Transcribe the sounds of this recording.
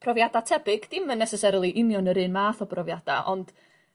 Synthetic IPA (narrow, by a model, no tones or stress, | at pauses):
pʰrɔvjadatʰɛbɪɡ̥d̥ɪmənːɛsɛsɛɾlˠiʔɪnjɔnəɾɨnmaːθɔbrɔvjada̰ʔɔnd̥